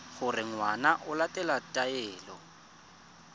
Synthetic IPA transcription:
χʊrɪŋwanaʔʊlatʼɛlatʼaɛːlɔ

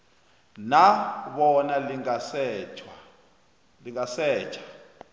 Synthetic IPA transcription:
naβɔnaliŋasɛt͡ʃa | liŋasɛːt͡ʃʰḁ

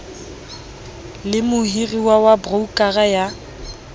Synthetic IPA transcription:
lɪmʊhiriwawabroukʼaɣaja

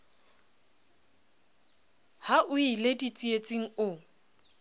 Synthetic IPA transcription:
haʔʊiledit͡sʼiet͡sʼiŋ̩ʊ

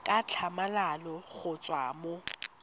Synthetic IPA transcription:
kʼat͡ɬʰamalalɔɣʊt͡sʼwa̰ːmʊ

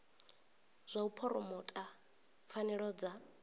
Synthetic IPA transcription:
z̥ʷaupʰɔɾɔmɔtʼa | fanɛɺɔd͡za

